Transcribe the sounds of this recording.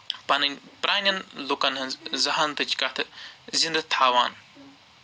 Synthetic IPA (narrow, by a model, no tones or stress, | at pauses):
pɐnɨnʲpɾʔaːnʲɐnlukɐnɦɨnzɐɦɐnt̪ɨt͡ʃkɐt̪ʰɨzind̪ɨt̪ʰaːʋa̰ːn